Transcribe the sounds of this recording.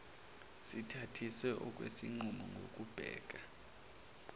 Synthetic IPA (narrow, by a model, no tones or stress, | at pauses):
sitʰatʰiswɛʔɔk̬ʼwḛsiŋ͡ǃumɔŋɡʱokʼub̥ʱɛ̰ːk̬ʼa